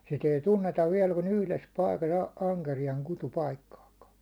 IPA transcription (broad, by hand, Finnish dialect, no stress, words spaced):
sit ei tunːetɑʋ ʋiɛl kun yhles pɑikɑs ɑ ɑŋkerijɑŋ kutupɑikːɑːkɑ